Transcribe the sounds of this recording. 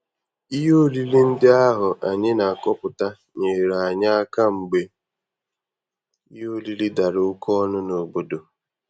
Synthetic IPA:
i˦ɦo˦˨li˦li˦n̩˦dɪ˦a˦ɦʊ˨ʔa˨ɲɪ˦na˨a˨kɔ˦pʊ˨ta˦ | ɲe˨ɾa˨ɲa˦a˦ka˦ŋ͡m̩˨ɡ͡be˨ | i˦ɦo˦˨li˦li˦da˨ɾɪ˨ʊ˦kʰɔ˦ɔ˦nʊ˦no˨ɡ͡bo˦do˨

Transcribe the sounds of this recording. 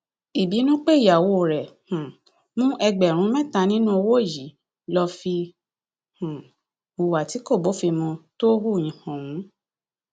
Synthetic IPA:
i˨bi˨˦nũ˦k͡pe˦i˦˨ja˨wo˧˦˨ɾɛ˨hã˨ | mũ˦ʔɛ˧ɡ͡bɛ˨ɾ̃ũ˨˦mɛ̃˦˨ta˧nĩ˦nũ˦o˧wo˦˨ji˨˦ | lɔ˧fi˧ | hũ˨ | u˨wa˨ti˨˦ko˦˨bo˨˦fi˧mɔ̃˧to˦hu˦˨jĩ˨hɔ̃˨wũ˨˦

